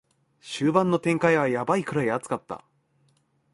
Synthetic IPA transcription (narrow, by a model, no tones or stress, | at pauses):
ɕɨːbãnːo̞t̪ẽ̞ŋkaiβ̞ajabaikɯ̟ɾaiat͡sɨ̥kat̪ːa̰